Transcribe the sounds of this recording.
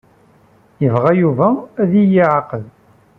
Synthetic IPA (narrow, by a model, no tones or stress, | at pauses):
jəvʁæjuvææðijiʕaqəð